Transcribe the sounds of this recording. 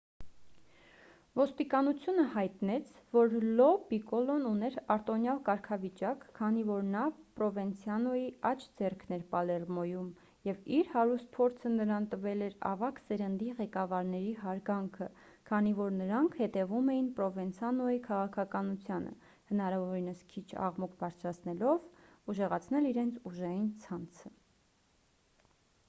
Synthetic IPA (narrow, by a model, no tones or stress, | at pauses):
vɔst̪ikɑnut͡sʰjunəhɑjt̪nɛt͡sʰvɔɾlɔbikɔlɔnunɛɾɑɾt̪ɔnjɑlkɑɾkʰɑvit͡ʃɑkʰːɑnivɔɾnɑpɾɔvɛnt͡sʰjɑnɔjiɑt͡ʃʰd͡zɛrkʰnɛɾpɑlɛrmɔjum | jɛviɾhɑɾust̪̚pʰɔɾt͡sʰənəɾɑnt̪əvɛlɛɾɑ̰vɑksɛɾənd̪iʁɛkɑvɑɾnɛɾiɦɑɾɡɑŋkʰə | kʰɑnivɔɾnəɾɑŋkʰhɛt̪ɛvumɛjinpɾɔvɛnt͡sʰɑnɔjikʰɑʁɑkʰɑkɑnut͡sʰjɑnə̰ | hənɑɾɑvɔɾinəskʰit͡ʃʰɑ̰ʁmukʰbɑɾt͡sʰɾɑt͡sʰnɛlɔvuʒɛʁɑt͡sʰnɛliɾɛnt͡sʰuʒɑjint͡sʰɑnt͡sʰə